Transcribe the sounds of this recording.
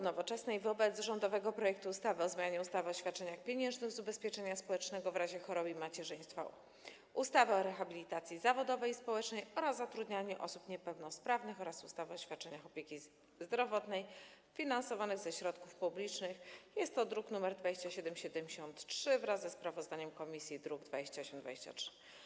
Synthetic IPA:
nɔvɔt͡ʂɛsnɛjvɔbɛt̪zʐɔnd̪ɔvɛɡɔpɾɔjɛk̚t̪uːst̪avɘɔzmʲjaɲɛust̪avɛɔɕfʲjat̪̚t͡ʂɛɲaxpʲjeɲɛ̃nʐnɘɣzubɛspʲjɛt͡ʂɛɲaspɔwɛt͡ʂnɛɡɔvɾaʑɛxɔɾɔbimat͡ɕɛʐɘj̃st̪fa̰ | ʔust̪avɛɔɾɛxabʲilʲit̪at̪sʲjizavɔd̪ɔvɛjispɔwɛt͡ʂnɛjɔɾazːat̪ɾud̪ɲaɲɛʔɔsupɲɛpɛwnɔspɾavnɘxɔɾasust̪avɘɔɕfʲjat̪̚t͡ʂɛɲaxɔpʲjekʲi | zd̪ɾɔvɔt̪nɛj | fʲinansɔvanɘɣzɛɕɾɔt̪kufpublʲit͡ʂnɘxjɛst̪ːɔd̪ɾuknumɛɾd̪vad͡ʑeɕt͡ɕaɕɛd̪ɛmɕɛd̪ɛmʲd͡ʑɕɔnt̪ʂɘvɾazzɛspɾavɔzd̪aɲɛmkɔmʲisʲjid̪ɾuɡd̪vad͡ʑeɕt͡ɕaɔɕɛmd̪vad͡ʑeɕt͡ɕa̰tʂɘ̥

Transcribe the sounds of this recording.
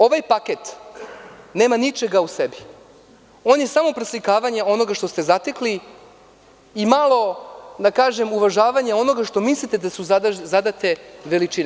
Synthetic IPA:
o̞ʋajpaket̪ | ne̞ːmanit͡ʃeɡausebi | o̞ːnje̞samo̞pɾeslikaːʋaɲao̞noɡaʃt̪o̞st̪ezat̪e̞kli | imalˠo̞d̪akaːʒe̞muʋaʒaːʋaɲao̞no̞ɡaʃt̪o̞mislit̪e̞d̪asuzazad̪at̪e̞ʋe̞lit͡ʃin

